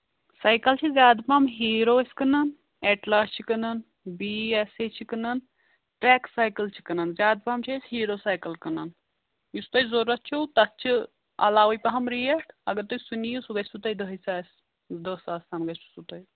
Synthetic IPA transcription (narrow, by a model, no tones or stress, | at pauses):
sɐjkɐlt͡ʃʰizʲjaːd̪pamɦiːɾoːsʲkɨnɐn | eʈlaːst͡ʃʰikɨnɐn | biːeset͡ʃʰikɨnɐn | ʈɾeːksaːjkɐlt͡ʃʰi̥kɐnɐnzjaːd̪̚pɐmt͡ʃʰɐshiːɾoːsaːjkɐlkənɐn | just̪ɐjzoɾɐt͡ʃʰowt̪ɐt͡ʃʰi | ɐ̰laːwɐjpɐɦɐmɾijeʈʰɐɡɐɾt̪ojsunijusuɡɐsut̪ɐid̪ɨɦɐjsaːs | d̪əːsaːsaːmɡɐsu̥sut̪ɐj